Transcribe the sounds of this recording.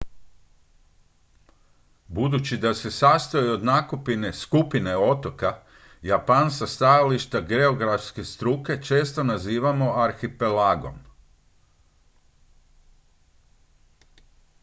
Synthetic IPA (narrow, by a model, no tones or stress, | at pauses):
bud̪ut͡ɕid̪ase̞sast̪oio̞d̪nakupine̞skupine̞o̞t̪o̞ka | japansast̪ajaliʃt̪aɡe̞o̞ɡɾafske̞st̪ɾuke̞t͡ʃe̞ːst̪o̞naziːʋamo̞aɾxipe̞laɡo̞̰m